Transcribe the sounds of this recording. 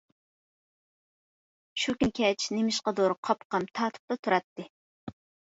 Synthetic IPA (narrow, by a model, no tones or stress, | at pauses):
ʃukʲnkʲʰɛt͡ʃʰnemɪʃqɑd̪oɾqʰɑpqɑmt̪ʰɑːt̪ʰɨ̥p̚t̪ɑt̪ʰuɾɑt̪ːɨ